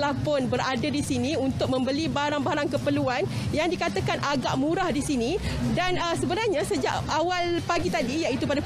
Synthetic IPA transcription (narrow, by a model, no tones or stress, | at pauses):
lapʊnbəɾadadisinĩunt̪ʊk̚mə̃mbəlibaɾaŋbaɾaŋkəpəluanjaŋdikat̪akanʔaɡaʔmũɾahdisinidanəsəbənarɲãsəd͡ʒa̰ʔawalpaɡit̪adijaʔit̪upada